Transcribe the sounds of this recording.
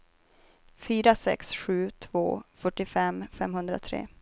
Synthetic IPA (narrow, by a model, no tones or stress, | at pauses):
fyːɾasɛ̰ksɧʉ̟ːt̪ʰvo̰ːfœʈːɪfɛmfɛmhɵnd̪ɾa̰t̪ʰɾḛː